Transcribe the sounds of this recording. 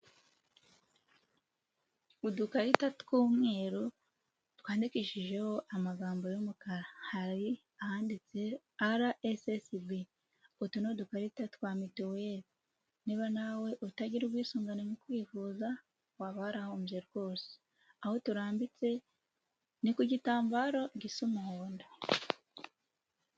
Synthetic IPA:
udukaɾitatu̥kuːmŋe̞ːɾo | twaːndikiʃiʒe̞ho̞ʔamaɡaːmbo̞jomukaɾahaɾi | ahaːndit͡se̞ | aɾaʔesesibi | otunodukaɾitatu̥kwamitoweɾi | niβanawe̞ʔutaɟiɾuβwiːsuːŋɡanenikwiːvuːza | waβahaɾahomueɾɡwo̞ːsi̥ | aho̞tuɾaːmbit͡se̞ | nikuɟitaːmbaɾoɟisumuhoːnda

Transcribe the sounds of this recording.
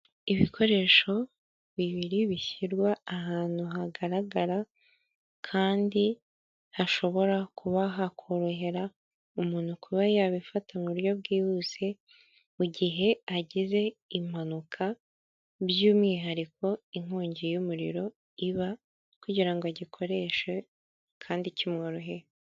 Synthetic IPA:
iβikʰo̞ɾe̞ʃo̞ | βiβiɾiβiçiɾɡwaːɦaːn̥uɦaɡaɾaɡaɾa | kʰaːndi | haʃo̞βo̞ɾakuβaɦakʰoɾoɦe̞ɾa | umuːn̥hukʰuβajaβifatʰamuɾjo̞βɡiːhuze̞ | muɟiɦe̞aɟize̞im̥anukʰa | βjuːmŋiːɦaɾikʰo̞iŋ̥uːɲɟejumuɾḭɾo̞ | iβa | kuɟiɾaŋɡoaɟikʰo̞ɾe̞ːʃe̞ | kʰaːndicʰimŋoɾoɦeɾ

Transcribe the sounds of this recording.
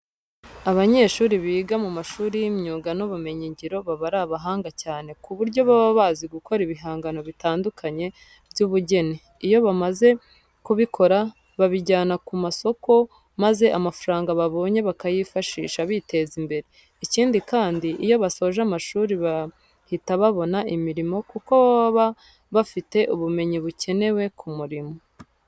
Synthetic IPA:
aβaɲe̞ːʃuːɾiβiːɡamumaʃuːɾijimɲuːɡanoβume̞ɲiɲɟiɾo̞βaβaɾaβaɦaːŋɡacaːne̞kuβuɾɟo̞βaβaβaːziɡukʰo̞ɾiβiɦaːŋɡano̞βitaːndukʰaɲe̞ | bjuβuɟe̞ni | ijo̞βamaze̞ | kuβikʰo̞ɾa | βaβiɟaːnakumaso̞ko̞ | maze̞ʔamafuɾaːŋɡaβaβo̞ːɲe̞βakajifaʃḭːʃaβite̞zimbe̞ɾe | iciːndikaːndiʔijo̞βaso̞ːʒamaʃuːɾiβa | hitaβaβo̞naʔimiɾimo̞kuko̞βa | βafite̞ʔuβume̞ɲiβuce̞ne̞we̞kʰumuɾimo̞

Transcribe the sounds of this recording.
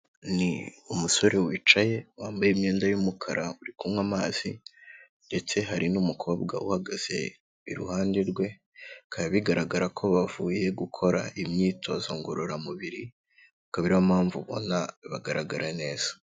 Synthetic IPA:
niumuso̞ɾe̞wiːt͡ʃaje̞waːmbajimɲeːndajumukʰaɾʔauɾikumwamaːz̥i | nde̞t͡se̞ɦaɾinumukʰo̞ːbɡa̰uhaɡaz̥e̞̰ | iɾṵhaːndiɾɡwe̞ | kʰajaβiɡaɾaɡaɾakʰo̞βavuːje̞ɡukʰo̞ɾa̰ʔimɲiːtʰo̞zoŋɡoɾoɾamuβiɾi | akaβiɾiβamaːɱvuβo̞̰naβaɡaɾaɡaɾane̞ːz̥ḁ

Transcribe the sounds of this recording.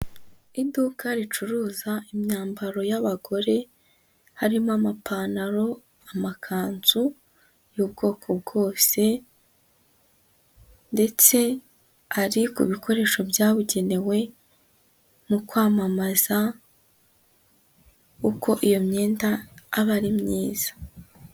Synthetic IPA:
idukʰaɾit͡ʃuɾuːzaimɲaːmbaɾo̞jaβaɡo̞ɾe̞ | haɾimamapʰaːnaɾo̞ | amakʰaːnzu | juːbɡo̞ːkʰo̞b̚ɡo̞ːse̞ | nde̞t͡se̞ | aɾikṵβikʰo̞ɾe̞ːʃo̞bjaːβuɟe̞ne̞we̞ | mukwaːmamaz̥a | uko̞ʔijo̞mɲe̞ːndaːβaɾimɲiːz̥ḁ

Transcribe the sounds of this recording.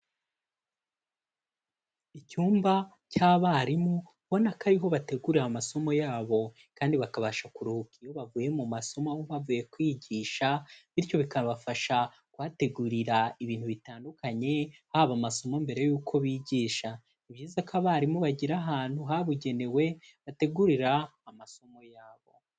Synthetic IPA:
icuːmba | caːβaɾimu | βo̞nakaɾiɦo̞βate̞ɡuɾamaso̞mo̞jaːβo̞ | kaːndiβakaβaʃakuɾuhukijo̞βavuːje̞mumaso̞moauβavuje̞kwiːɟiːʃaβiɾco̞βikaβafaʃa | kwaːte̞ɡuɾiɾaiβiːn̥huβitaːndukaɲe̞haβamaso̞mo̞mbe̞ɾe̞juːkʰo̞βiːɟiːʃa | iβjiːzakaβaɾimuβaɟiɾaɦaːn̥tuɦaβuɟe̞ne̞we̞ | βate̞ɡuɾiɾaːmaso̞mo̞jaːβo̞̰

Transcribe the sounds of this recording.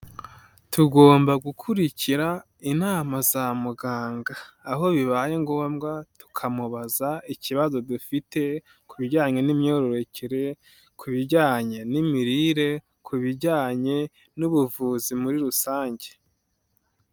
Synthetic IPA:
tuɡo̞ːmbaɡukʰuɾiciɾa | inaːmazamuɡaːŋɡaːɦo̞βiβaje̞ŋɡo̞ːmɡatu̥kʰamuβazaiciβazo̞dufite̞ | kuβiɾɟaːɲe̞nimɲo̞ːɾo̞ɾe̞ceɾe̞ | kʰuβiɾɟaːɲe̞nimiɾiɾe̞ | kʰuβiɾɟaːɲe̞ | nuβuvuːzimuɾiɾusaːɲɟe̞̥

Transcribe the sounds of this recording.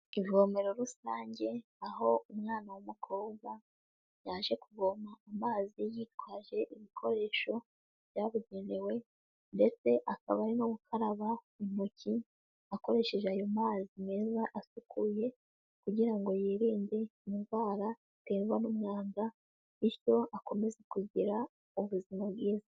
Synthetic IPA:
ivβo̞me̞ɾo̞ɾusaːɲɟe̞ | aɦo̞umŋaːnawamukʰoːɡa | jaːʒe̞kuβo̞maːmaːzijit̚waʒe̞ʔiβikʰo̞ɾe̞ːʃo̞ | β̥jaːβuɟe̞ne̞we̞ | nde̞t͡se̞ʔakaβaɾinoβukʰaɾaβa | im̥ucʰi | ako̞ɾe̞ʃe̞ʒeajo̞maːzimŋe̞ːzaʔasukʰuje̞ | kuɟiɾaŋɡo̞jiːɾiːnde̞inɡwaːɾa | teːɾwanumŋaːŋɡa | iɾjo̞ako̞me̞zekuɟiɾa | uβuzimabɡiːza

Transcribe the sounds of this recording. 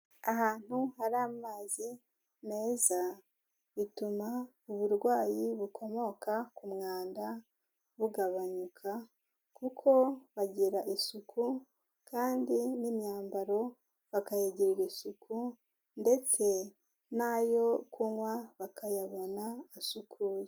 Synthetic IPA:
aɦaːn̥huhaɾaːmaːzi | ne̞ːza | βituma | uβuɾɡwaːjiβukʰo̞mo̞kakumŋaːnda | βuɡaβaɲukʰa | kukʰo̞βaɟiɾaʔisukʰu | kaːndinimɲaːmbaɾo̞ | βakajeɟiɾiɾisukʰu | nde̞t͡se̞ | najo̞kuŋwaβakʰajaβo̞naːsukʰuːje

